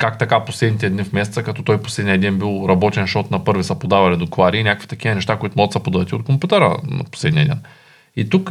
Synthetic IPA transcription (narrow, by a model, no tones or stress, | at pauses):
kakt̪ɐkaposlɛd̪nit̪ɛd̪nifmɛsɛt̪səkɐt̪ɔt̪ɔjpo̥slɛd̪nijəd̪ɛnbilˠɾɐbɔt̪ɛnʃɔt̪nɐpɤɾvisɐpod̪avɐlid̪okvaɾiːnʲakkvi̥t̪ɐk̟iɐnɛʃt̪akoit̪ʊmɔɡət̪səpod̪ɐət̪ʲiot̪̚kompʲut̪əɾə̰nɐ̰poslɛd̪nʲiəd̪ɛn | it̪uk